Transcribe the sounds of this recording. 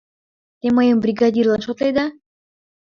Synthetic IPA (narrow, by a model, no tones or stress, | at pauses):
t̪eməjəmbrʲiɡɑd̪ʲirlˠɑnʃot̪lejd̪ɑ